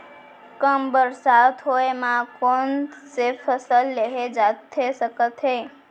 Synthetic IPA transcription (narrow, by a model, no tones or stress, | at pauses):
kəmbəɾsat̪ʰoemãkonsefʰəsəlːeɦed͡ʒat̪ʰːesəkət̪ʰe